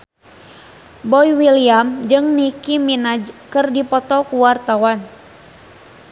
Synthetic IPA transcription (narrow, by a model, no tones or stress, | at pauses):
bɔjwiliamd͡ʒɨŋnikiminad͡ʒkɨrdipɔt̪ɔkuwart̪awan